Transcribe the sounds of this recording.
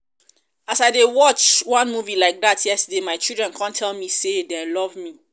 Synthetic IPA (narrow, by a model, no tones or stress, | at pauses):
asaɪdewɔt͡ʃwãnmuvilaɪk̚datʰjɛstədemaɪt͡ʃildɹɛ̃nkʰãntʰɛlmisedɛ̃lɔvmi